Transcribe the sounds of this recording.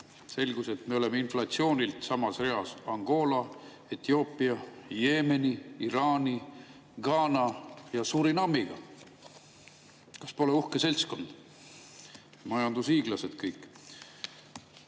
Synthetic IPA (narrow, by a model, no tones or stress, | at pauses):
se̞lɡ̥use̞t̪me̞o̞le̞meinflɑt̪sio̞ːnʲilt̪sɑmɑsre̞ɑsɑŋɡ̥o̞ːlɑ | et̪io̞ːpˑiɑje̞ːme̞niiɾɑːnʲi | ɡ̥ɑːnɑjɑsuɾinɑmːiɡ̥ɑ̰ | kɑ̥spo̞leuhkese̞lʲsko̞nd̪̥ | mɑjɑnd̪usiːɡ̥lɑse̞d̪̥kɤjkːˑ